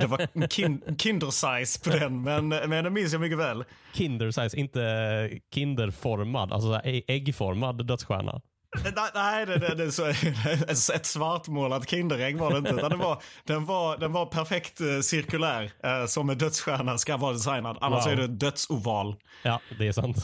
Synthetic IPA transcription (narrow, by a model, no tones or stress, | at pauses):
d̪ɛvaɾkʰɪkʰɪnd̪əɾsajspʰɔd̪ɛnmɛnmɛnd̪ɛnmɪns̬jamʏkːəvɛːlkʰɪnd̪əɾsajsɪnt̪əkʰɪnd̪əɾfɔɾma̰d̪a̰ls̬ɔsɛɛɡfɔɾmad̪ːœt̪sɧæ̰ːɳa̰ | nænæɪd̪ɛd̪ɛd̪ɛsɔɛɛt̪svaɾt̪moːlat̪kʰɪnd̪əɾɛɡvaɾɛɪnt̪əʉt̪and̪ɛvaɾd̪̥ɛnvɑɾd̪ɛnvaɾpʰæɾfɛkt̪sɪɾkɵlæːɾsɔmːɛd̪œt̪sɧæːɳaskavɑːɾad̪ɛs̬ajnad̪a̰nːaʂɔæɖɛd̪œt̪suːvɑːl | ɑːd̪ɛæsa̰nt̪